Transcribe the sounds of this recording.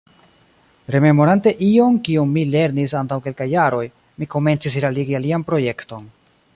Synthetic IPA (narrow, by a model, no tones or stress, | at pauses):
ɾe̞me̞mo̞ɾante̞ʔio̞nkiumːile̞ɾnisantawke̞lkajːaɾo̞j | miko̞me̞nt͡sis̬ɾaliɡialianpɾo̞je̞kto̞n